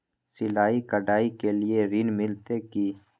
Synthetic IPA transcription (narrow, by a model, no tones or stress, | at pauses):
sɪlaːikəɖaːikelieɾinmɪlt̪ekiː